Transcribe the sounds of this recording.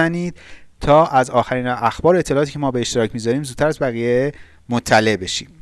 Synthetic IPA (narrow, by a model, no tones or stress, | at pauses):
æniːd̪̥t̪ʰɒːʔæzɒːxæɾiːnæxbɒːɾoet̪ʰːe̞lɒːʔːt̪ʰiːcʰemɒːbe̞eʃt̪e̞ɾɒːcʰmiːzɒɾiːmzud̪̚t̪ʰæɾæzbæɣiːje̞ | mot̪ʰːæle̞ʔbe̞ʃḭːm